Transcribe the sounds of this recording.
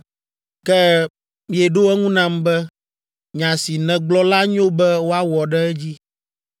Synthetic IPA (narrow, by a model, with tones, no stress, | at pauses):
kɛ˦ | mĩ˨ɛ˨ɖo˦ɛ˦ŋũ˦nã˦mbɛ˦ | ɲã˨si˨nɛ̃˨ɡ͡blɔ˦la˦ɲ˦õ˦bɛ˦wo˦a˦wɔ˨ɖɛ˦ɛ˦d͡ʑi˦